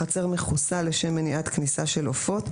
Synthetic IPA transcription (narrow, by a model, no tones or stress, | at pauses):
at͡se̞ʁmeχusale̞ʃemːeniʔat̪knisaʃe̞lofo̞t̪